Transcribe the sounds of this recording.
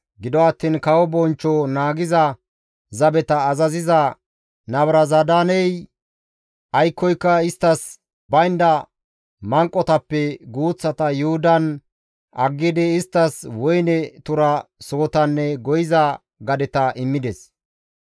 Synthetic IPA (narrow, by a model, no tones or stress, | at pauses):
ɡɪd̪ɔɐt̪ːiːnkɐwɔbɔnt͡ʃːɔnaːɡɪzɐ | zɐbɛt̪ɐːzɐzɪzɐ | nɐbɾɐzɐd̪aːnɛj | ʔɐjkːɔjkːɐɪst̪ːɐs | bɐjnd̪ɐ | mɐŋkʼːɔt̪ɐpːɛɡuːt͡sːɐt̪ɐjʊhʊd̪ɐn | ʔɐɡːɪd̪ɛɪst̪ːɐswɔjnɛt̪ʊɾɐsoːt̪ɐnːɛɡɔjɪzɐ | ɡɐd̪ɛt̪ɐʔɪmːɪd̪ɛs